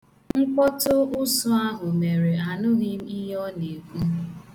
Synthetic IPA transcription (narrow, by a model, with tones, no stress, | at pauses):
ŋ̩˦k͡pɔ˦tʊ˦ʊ˦sʊ˦a˦ɦʊ˨me˨ɾe˨a˨nʊ˦ɦɪ˦m̩˦i˦ɦɔ˦ne˨ku˦